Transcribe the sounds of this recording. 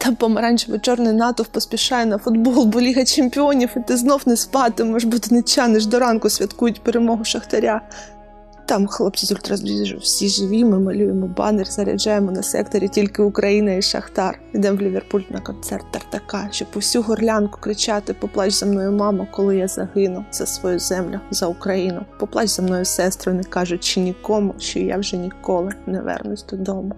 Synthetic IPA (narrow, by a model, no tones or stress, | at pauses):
t̪ɑmpɔmɐɾɑnʲt͡ʃʋet͡ʃɔrnɪjnɑt̪ɔwpɔspʲiʃɑjɛnɐfʊd̪bɔlˠbɔlʲiɦɐt͡ʃemʲpʲɪɔnʲiwɪt̪ɪznɔwnespɑt̪ɪmɔʒbut̪ɪnɪt͡ʃɑnɪʒd̪ɔɾɑnkʊsʲʋʲɐt̪kujʊtʲpeɾemɔɦʊʃɐxt̪ɐɾʲa | t̪ɑmxlˠɔpt͡s̪ʲizʊlʲt̪ɾɐzʋʲiʒʊ̰wsʲiʒɪʋʲimɪmɐlʲujemɔbɑ̰nerʲzɐɾʲɐ̰d͡ʒɑjemɔnɐsɛ̰kt̪ɔɾʲitʲilʲkɪʊkɾɐjinɐiʃɐ̰xt̪ɑr | id̪ɛmʋlʲiʋʲerpulʲt̪nɐkɔnt̪sɛrt̪ːɐrt̪ːɐkɑʃt͡ʃɔpɔwsʲuɦɔrlʲankʊ̥kɾɪt͡ʃɑt̪ɪpɔplˠɑt͡ʃzɐmnɔjʊmɑmɐkɔlˠɪjazɐɦɪnʊzɐsʋɔjuzɛmlʲʊzɐʊkɾɐjinʊpɔplˠɑt͡ʃʲzɐmnɔjʊsɛst̪ɾɔnɪkɑʒʊt͡ʃɪnʲikɔmʊʃt͡ʃɔja̰wʒɛnʲikɔlˠɪnɛʋɛ̰rnʊsʲd̪ɔd̪ɔmʊ